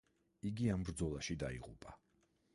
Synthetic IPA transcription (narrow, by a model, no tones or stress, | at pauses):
iɡiambɾd̪zɔlˠaʃid̪aḭʁupʼa